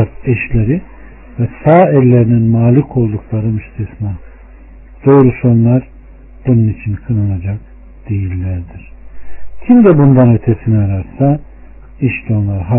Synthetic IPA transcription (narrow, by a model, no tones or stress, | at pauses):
ɾɛʃlʲeɾi | vɛsaːɛlʲːe̞ɾininmaːlʲikʰo̞lˠd̪uklˠaɾɯmist̪ʰisma | d̪̥ojɾusønlʲaɾ | b̥ununit͡ʃʰinkʰɯnɯnad͡ʒak | d̪̥ejilʲːæɾd̪iɾ̥cʰimd̪ɛbund̪anø̞t̪ʰesinɛaɾaɾsa | iʃlʲonlˠaɾɦa